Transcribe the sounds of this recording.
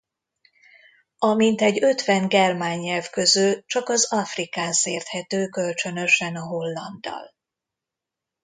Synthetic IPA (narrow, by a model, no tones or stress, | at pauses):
ɒmint̪ɛɟøt̪ʋɛnɡɛrmaːɲːɛlvkø̞zylt͡ʃɒkɒzɒfrikaːnseːrt̪hɛt̪øːkølt͡ʃø̞nø̞ʃɛnɒɦo̞lːɒnd̪ɒ̰l